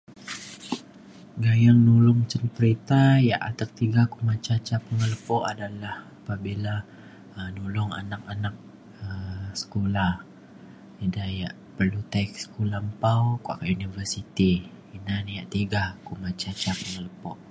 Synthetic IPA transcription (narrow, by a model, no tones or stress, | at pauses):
ɡajaŋnulʊŋt͡ʃənpəɾit̪ajaʔa̰t̪ak̚t̪iɡakumat͡ʃat͡ʃapəŋələpɔʔadalahapabila | ənulʊŋa̰nakanak̚ | əsə̥kolah | idajaʔ | pərlut̪aik̚sə̥kulampawkoa̰kaʔjunivərsit̪i | inanjaʔt̪iɡakumãt͡ʃat͡ʃapəŋələpɔʔ